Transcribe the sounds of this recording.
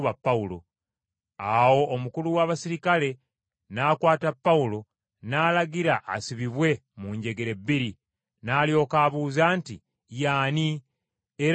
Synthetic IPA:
βapːaulo̞̰ | awo̞ːmukuluwaːβasiɾikale̞ | naːkwaːtapːaulo̞ | naːlaɡiɾaʔːsiβiβwe̞muɲɟe̞ɡe̞ɾe̞bːiɾi | naːljo̞kaːβuːzaːnti | jaːni | eɾ

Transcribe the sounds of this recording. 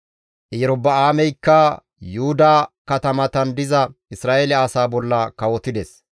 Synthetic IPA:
ʔɪjɛɾɔbːɐaːmɛjkːɐ | juhʊd̪aːkɐt̪ɐmɐt̪ɐnd̪ɪzɐɪsɾaːʔelɪaːsaːbɔlːɐkɐwɔt̪ɪd̪ɛs

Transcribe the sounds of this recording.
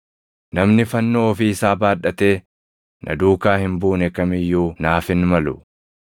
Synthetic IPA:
nɐmnɪfɐnːoːɔfiːɪsaːbaːᶑɐt̪e̞ː | nʔɐ̰d̪uːkaːhɪmbuːnɛkɐmɪjːuːnaːfɪnmɐlʊ

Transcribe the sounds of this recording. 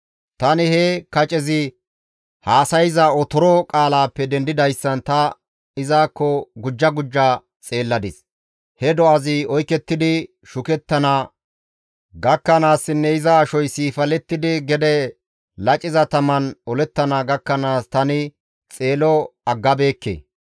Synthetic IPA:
t̪ɐnɪhɛkɐt͡ʃʼɛzɪ | haːsɐjɪzɐɔt̪ɔɾɔkʼaːlaːpːɛd̪ɛnd̪ɪd̪ɐjsːɐnt̪ɐ | ɪzaːkːɔɡʊd͡ʒːɐɡʊd͡ʒːa | t͡sʼe̞ːlːɐd̪ɪs | hɛd̪ɔɐzɪɔjkːɛt̪ːɪd̪ɪ | ʃʊkɛt̪ːɐna | ɡɐkːɐnaːsːɪnːɛɪzɐːʃɔjsiːfɐlɛt̪ːɪd̪ɪɡɛd̪ɛ | lɐt͡ʃʼɪzɐt̪ɐmɐnɔlɛt̪ːɐnaɡɐkːɐnaːst̪ɐnɪ | t͡sʼe̞ːlɔɐɡːɐbe̞ːkːḛː

